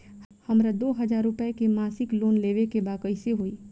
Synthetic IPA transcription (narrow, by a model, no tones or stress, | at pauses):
hɐmɾad̪oːɦɐzaːɾːʊpəekemaːsɪkloːnleːʋekebaːkəiseɦoiː